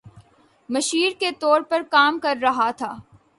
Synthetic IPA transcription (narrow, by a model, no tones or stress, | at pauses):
mɐʃiːɾket̪ɔːɾpɐɾkaːmkɐɾːɐɦat̪ʰaː